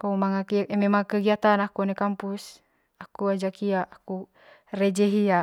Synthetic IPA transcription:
kaumaŋakimɛmaŋkəɡiat̪anakunɛkampus | akuad͡ʒakiaʔːku | rɛd͡ʒɛɦia

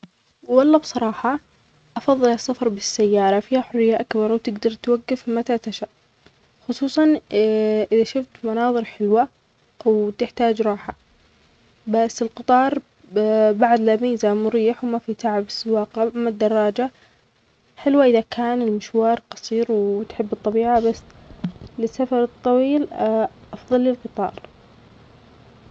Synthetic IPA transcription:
wɑlˤːɑbsˤɑɾˤɑːħɑ | ʔɑfɑðˤːɨlɑsːafɑɾˤbɪsːajːɑːɾˤɑfiːhaħʊrːɪjːaʔakbɑɾˤwt̪ɪɡd̪ɑɾˤt̪waɡːafmat̪at̪aʃaʔ | xʊsˤuːsˤɑn | ʔɪðaʃʊft̪mɑnɑːðˤɨɾħɪlwa | wt̪ɪħt̪aːd͡ʒɾˤɑːħa | basːɪlqɨt̪ˤɑːɾˤ | baʕd̪lamiːzamʊɾiːħwmafit̪aʕabsɪwaːqamad̪ːɑrˤːɑːd͡ʒa | ħɪlwaʔɪðakʰaːnɪlmɪʃwɑːɾˤqɑsˤiːɾwt̪ħɪbːɨt̪ˤːɑbiːʕabasː | lɪsːafɑɾˤɨt̪ˤːɑwiːlʔɑfðˤɑlːɪlqɨt̪ˤɑ̰ːɾˤ

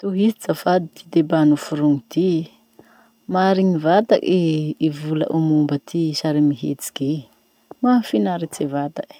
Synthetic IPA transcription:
t̪uɦisit͡safad̪it̪id̪ebanufuɾuŋit̪i | maɾiŋivat̪a̰keivula̰ʔumumbət̪ʰisaɾimiɦḛt͡si̥ɡe | mafinaɾit͡sevat̪ak

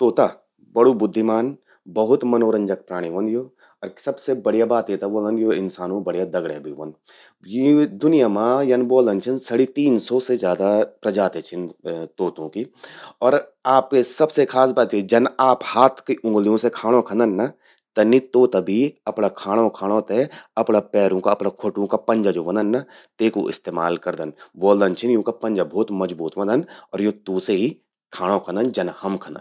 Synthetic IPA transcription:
t̪oːt̪a | bɐɽubʊd̪ʱːimaːn | bɐɦʊt̪mɐnoːɾə̃ɲd͡ʒək̚pɾaːɽ̃iʋɐ̃nd̪joː | ɔːɾsɐbsebɐɽijabaːt̪et̪aboːlənjoɪnsaːnõbɐɽ̤jad̪ɐɡɽḛbʱḭʋɐ̰n | jid̪ʊnijamãjɐnboːlənt͡ʃʰɪnsɐɽit̪iːnsɔsezjaːd̪apɾɐd͡ʒaːt̪et͡ʃʰɪnt̪oːt̪õkiɔːɾaːpkesɐbsekʰaːsbaːt̪jid͡ʒɐnaːphaːt̪ʰkiʔʊ̃ŋɡlijõsekʰaːɽ̃õkʰɐ̃nd̪ənːa | t̪ɐnit̪oːt̪abʱiɐpɽakʰaːɽ̃õkʰaːɽ̃ot̪eɐpnapɛːɾõkaɐpnakʰoʈõkapɐ̃ɲd͡ʒad͡ʒoːʋɐ̃nd̪ənːa | t̪eːkoʔɪ̰st̪eːma̰ːlkɐɾd̪ənʋoːld̪ənt͡ʃʰɪnjõːkapɐ̃nd͡ʒabʱɔːt̪mɐzbuːt̪ʋɐ̃nd̪ənɔːɾjõt̪uːseɦi | kʰaːɽ̃õkʰə̃nd̪ənd͡ʒɐnhɐmkʰɐ̃nə̰n

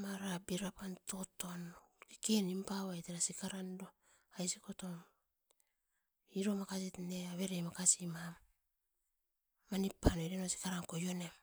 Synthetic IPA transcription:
maɾabiɾapanto̞to̞nkikenimpaβajteɾasikaɾando | ajsiko̞to̞m | iɾo̞makasitneaβe̞ɾemakasimam | anipːanoɾenosi̥kaɾankojo̞ne̞m

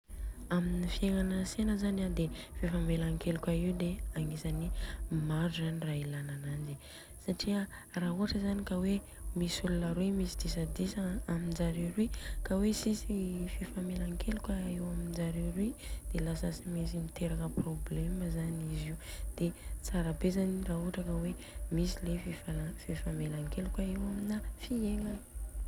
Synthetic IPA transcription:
aminifieŋanəsenəzanad̪efefamelaŋkelukʲaiwd̪eaŋisanimaɾuzanirailananand͡ʒi | saʈ͡ʂiə | raɦuaʈ͡ʂəzanikawe | misulunəɾuimisid̪isad̪isaamind͡ʒaɾiɾwikawesisifefamelaŋkʰelukaewamind͡ʒaɾiɾwid̪̥elasasimis̬imit̪eɾakəprobleməzaniziud̪̥et͡saɾabezanirauʈ͡ʂakəwe | misilefefalafefamelaŋkelukaewaminafieŋan

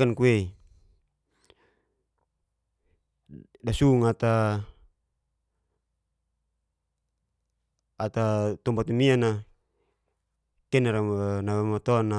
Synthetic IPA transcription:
ankuei | dasuŋat̪a | t̪at̪ɔmbat̪umiana | kɛnaɾanawamat̪ɔna

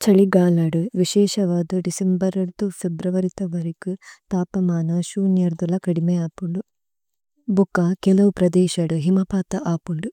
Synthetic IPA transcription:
t͡ʃɐɭiɡaːlɐɽuʋiʃɛːʃɐʋaːd̪uɖisembɐɾɐd̪ufʰebɾɐʋɐɾit̪ɐʋɐɾikɯt̪aːpɐmaːnɐʃuːnjɐɾd̪ulɐkɐɽimeaːpuɳɖu | bukːakɛlɐʋupɾɐd̪eːʃɐɽuɦimɐpaːt̪ɐʔaːpuɳɖu

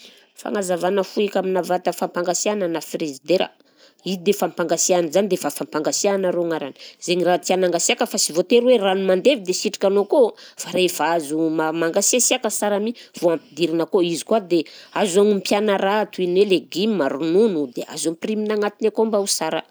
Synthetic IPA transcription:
fa̰ŋazavanəfuikaminavat̪əfampaŋɡasiananafrezid̪eɾa̰ | izid̪efampaŋɡasianzanid̪efafampaŋɡasianaɾoŋaɾani̥zeɲirat̪ianaŋɡasiakəfasivot̪eɾweranumand̪evid̪esiʈ͡ʂi̥kʲanokofaɾefaazumamaŋɡasasiakəsaɾamiv̥oampid̪iɾinəkoizi̥kuad̪eazaŋimpjanaɾat̪uinweleɡimimaɾununud̪ea̰zompriminaŋat̪inakombausaɾə̰

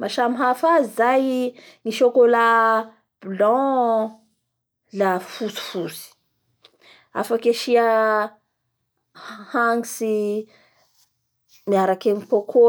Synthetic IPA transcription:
maʃamiɦafazizaj | niʃokola | b̥ilɔ̃ | lafusu̥fusi̥ | a̰fakeʃia | haŋisi | niaɾakemipokʰo

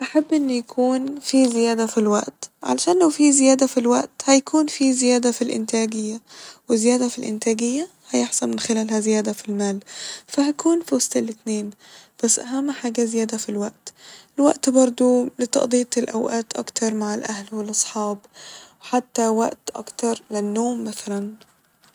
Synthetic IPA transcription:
ʔaħabːʔɪnːujakʰuːnfizɪjæːd̪afilwaʔt̪ʕa̰laʃæːnlawfizɪjæːd̪afilwaʔt̪hajakʰuːnfizɪjæːd̪afilʔɪ̰nt̪æːɡɪjːawɪzɪjæːd̪afilʔɪ̰nt̪æːɡɪjːa | hajɪħsanmɪnxɪlæːlhæzɪjæːd̪afilmaːlfahakʰuːnfsˤt̪alːɪt̪neːn | b̥asːʔaɦamːħaːɡazɪjæːd̪afilwaʔt̪ʔɪlwaʔt̪bɑɾˤd̪ˤolɪt̪ˤɑ̰ʔd̪ˤiːt̪ɪlʔawʔaːt̪ʔɑ̰kt̪ɑɾˤmaʕɪlʔahlwɪlʔɑsˤħɑːbwħat̪ːawaʔt̪ʔɑ̰kt̪ɑɾˤlɪnːoːmːaθalan

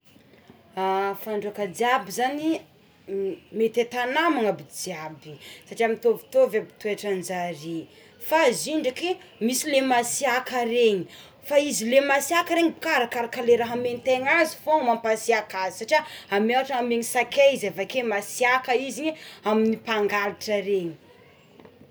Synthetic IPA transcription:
afaɳɖ͡ʐuakəd͡ziabizani | met̪et̪anamaŋabid͡ziabisaʈ͡ʂiamint̪ovi̥t̪ovabi̥t̪ueʈ͡ʂand͡ʒaɾi | faziɳɖ͡ʐakimisilemasiakaɾeɲi | faizilemasiakəɾeŋibu̥kaɾakaɾakəleɾaɦament̪eŋazi̥fomampasiakazi̥saʈ͡ʂiaamewaʈ͡ʂaameɲisakeizavakemasiakəiziɲeaminipaŋɡaliʈ͡ʂəɾeɲi̥

